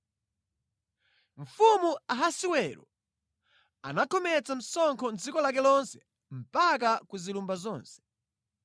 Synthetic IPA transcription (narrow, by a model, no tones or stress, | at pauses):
ɱ̩fumuaɦasiwɛːɾɔ̰ | a̰nakʰɔmɛt͡sam̩sɔŋkʰɔnd͡zikɔlak̬ɛlɔnsɛ̥ | m̩pak̬akuzilumbazɔːnsɛ̥